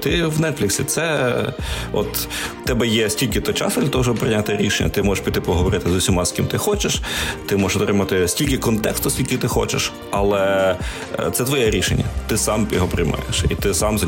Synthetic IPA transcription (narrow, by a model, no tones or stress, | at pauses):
t̪ɪwnɛt̪fʲlʲɪksʲit̪sɛ | ɔ̰t̪ː | ɛbɛjɛsʲtʲilʲkɪt̪ɔt͡ʃɑ̰sɛlʲɐt̪ɔʋɔʃ̬ɔbpɾɪjnʲat̪ɪɾʲiʃenʲːɐ̰t̪ɪmɔʒeʃpʲit̪ɪpɔɦɔʋɔɾɪt̪ɪzʊsʲimɑskʲimt̪ɪxɔt͡ʃeʃt̪ɪmɔʒeʃɔt̪ɾɪmɐt̪ɪsʲtʲilʲkʲɪkɔnt̪ɛkst̪ʊsʲkʲilʲkʲit̪ɪxɔ̰t͡ʃɪ̰ʃ | ɐlˠɛ | t̪sɛt̪ʋɔjɛɾʲiʃḛnʲːɐ̰t̪ɪsɑmjɔɦɔpɾɪ̰jmɑ̰jḛʃḭt̪ɪsɑmz